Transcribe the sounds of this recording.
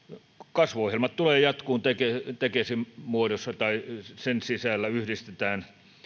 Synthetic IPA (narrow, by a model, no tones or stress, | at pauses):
kɑsʋoohjelmɑt̪t̪uleːjɑt̪kuːnt̪eket̪ekesimmuodosːɑt̪ɑisensisælːæyhdist̪et̪æːn